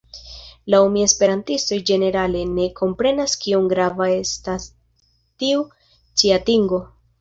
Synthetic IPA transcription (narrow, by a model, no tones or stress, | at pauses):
laomie̞spe̞ɾantisto̞jd͡ʒe̞ne̞ɾale̞ne̞kʰo̞mpɾe̞naskioŋɡɾavae̞stas | tiu | t͡siatiŋɡo̞